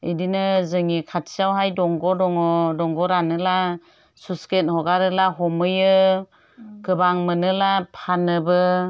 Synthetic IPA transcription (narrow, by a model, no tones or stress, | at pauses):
idinɯzɯŋikʰatʰsijawɦajdɔŋɡɔdɔŋɔdɔŋɡɔɾanɯla | suskenhɔɡaɾɯlaɦɔmɯjɯ | ɡɯbaŋmɯnɯlapʰanɯbɯ